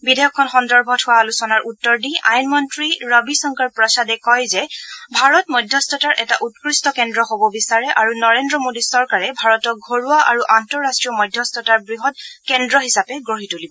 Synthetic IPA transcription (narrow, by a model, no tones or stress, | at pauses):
bidɛjɔkʰːɔnxɔndɔɹbʱɔtʰhʊwalusɔnaɹʔutːɔɹdia̰jnmɔntɹiɹabisɔŋkaɹpɹɔsadɛkɔjzɛbʱaɹɔtmɔjdʱjɔstɔtaɹʔɛtaʔutkɹistɔkɛndɹɔɦobɔbisaɹɛʔaɹunɔɹendɹɔmodisɔɹkaɹɛbʱaɹɔtɔk̚ɡʱoɹuaʔaɹuʔantɔɹastɹijɔmɔjdʱjɔstɔtaɹbɹiɦɔtkɛndɹɔɦisapɛɡɹoɦitulibɔ